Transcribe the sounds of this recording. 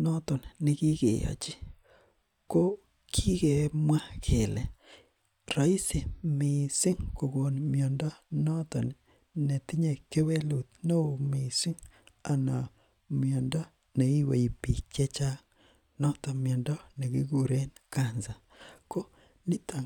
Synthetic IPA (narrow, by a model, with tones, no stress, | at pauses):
nɔ˦tɔ˨nnɪ˨ki˦kḛ˨jɔ̰˨t͡ʃi˦ | ko˦ | kʰi˦ke˨˦mwa˦kʰe˨lɛ˨ | rɔ˨i˦si˨mɪ˨sɪ˦ŋko˨ɡo˨nmjɔ˨ndɔ˦nɔ˦tɔ˨n | nɛ˨ti˦ɲe˨ke˦we˦lu˨t̪no˦˨mɪ˨sɪ˦ŋa˨na˨ | mjɔ˨ndɔ˦ | nɛ˨i˦we˨i˨pi˨kɛ˦t͡ʃa˦ŋ | nɔ˦tɔ˨mjɔ˨ndɔ˦nɛ˨ki˦ɡu˨ɾe˦nka˦nza˨ | ko˦ | ni˦ta˨